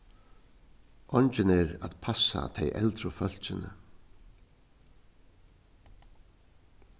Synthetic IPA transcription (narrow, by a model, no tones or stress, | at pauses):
ʔɔɲt͡ʃɪnɛɾaðpʰasːa̰t̪ʰejʔɛlt̪ɾʊfœl̥sɪnɪ̰